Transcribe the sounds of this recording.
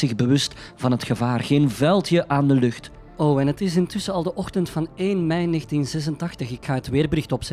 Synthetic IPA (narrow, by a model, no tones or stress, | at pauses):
ɪɣbəʋɵstv̥ɑnɦətxəvaːrɣeːnvɛlˠtjəʔaːndəlɵxt | oːɛnɦətɪs̬ɪntʏsəɑlˠdəʔɔxtəntfɑneːnmɛjneːɣntinzɛs̬əntɑxtəxɪkxaːɦətʋɪːrbərɪxtɔpsɛ